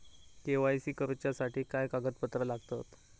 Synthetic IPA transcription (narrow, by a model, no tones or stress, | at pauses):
keʋajsiːkəɾt͡ɕjasaʈiːkajkaɡət̪̚pət̪ɾəlaɡt̪ət̪